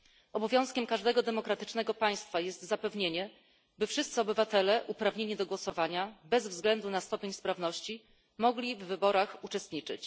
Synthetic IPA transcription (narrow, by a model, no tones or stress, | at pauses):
ɔbɔvʲjɔ̃w̃skʲɛmkaʐd̪ɛɡɔd̪ɛmɔkɾat̪ɘt͡ʂnɛɡɔpaj̃st̪fajɛst̪zapɛvɲeɲɛ | bɘfʂɘst̪sɘɔbɘvat̪ɛlɛʔupɾavɲeɲid̪ɔɡwɔsɔvaɲabɛzvzɡlɛnd̪unast̪ɔpʲjeɲspɾavnɔɕt͡ɕi | mɔɡlʲivːɘbɔɾaxut͡ʂɛst̪ɲit͡ʂɘ̰t͡ɕ